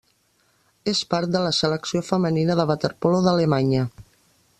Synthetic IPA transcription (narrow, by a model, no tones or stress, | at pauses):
espaɾt̪̚d̪ələsələksiofəməninəðəβət̪əɾpoloðələmaɲə